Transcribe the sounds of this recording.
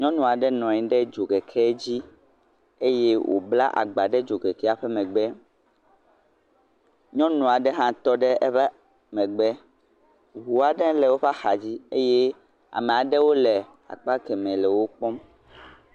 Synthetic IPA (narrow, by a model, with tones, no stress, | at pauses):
ɲɔ̃˦nũ˨a˨ɖɛ˦nɔ̃˨ɲɛ̃˦ɖɛ˦d͡ʒo˨ɡɛ˨kʰɛ˦d͡ʑi˦ | e˦je˦wʔo̰˨bla̰˦ʔa̰˨ɡ͡ba˨ɖɛ˦d͡ʒo˨ɡɛ˨kɛ˦a˨ɸɛ˦mɛ̃˨ɡ͡bɛ˦ | ɲɔ̃˦nũ˨a˨ɖɛ˦ɦã˦t̪ɔ˦ɖɛ˦ɛ˦ɸɛ˦ | mɛ̃˨ɡ͡bɛ˦ | ɦu˨a˨ɖɛ̃˦lɛ˨wo˦ɸa˦xa˨d͡ʑi˦e˦je˦ | a̰˨mɛ̃˨a˨ɖɛ˦wo˦lɛ˨ | a̰˨k͡pa˦kɛ˨mɛ̃˨lɛ˨wo˦k͡pɔ˦m